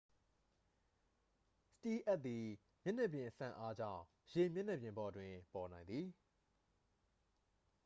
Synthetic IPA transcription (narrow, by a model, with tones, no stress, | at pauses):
sə̥ti˦ʔa˦t̪̚i˨ | mjɪ˦ʔnɛ˦ʔpjɪ̃˨ʔəsã̰˨ʔa˦d͡ʑä̰̃˦˨ʊ̃ | je˨mjɪ˦ʔnɛ˦˨pjɪ̃˨mbɔ˨dwɪ̃˨pɔ˨nã˨ɪ̃nd̪i˨